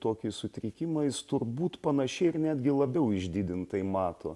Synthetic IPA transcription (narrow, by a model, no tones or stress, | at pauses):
t̪oːkʲɪsʊt̪ʲɾʲɪkʲɪmɐɪst̪ʊrbuːt̪pɐnɐʃʲɛɪɪɾnʲæːd̪ʲɡʲɪlˠɐbʲɛʊɪʒʲd̪ʲid̪ʲɪnt̪ɐɪmɑːt̪o̰ː